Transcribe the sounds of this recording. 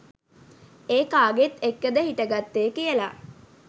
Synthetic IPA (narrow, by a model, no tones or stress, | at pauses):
eːkaːɡet̪ekːəd̪əhiʈəɡat̪ːeːkijəla̰